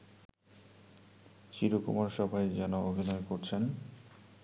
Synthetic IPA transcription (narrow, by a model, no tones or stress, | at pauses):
ʃiɾokṵmaɾʃɔbʱajd͡ʑɛnoobʱinɔekoɾt͡ɕʰen